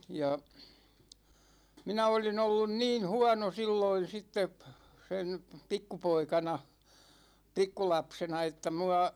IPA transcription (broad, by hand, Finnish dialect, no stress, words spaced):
jɑ minæ olin olːun niːn̞ huɒno silːoin̞ sitːep sen̞ pikːupoikɑnɑ pikːulɑpsenɑ etːæ muɑ